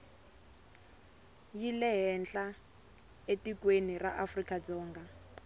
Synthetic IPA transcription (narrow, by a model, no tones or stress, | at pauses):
jilɛɦɛnd͡ɮa | etikweniraʔafrikʼad͡zɔːŋɡa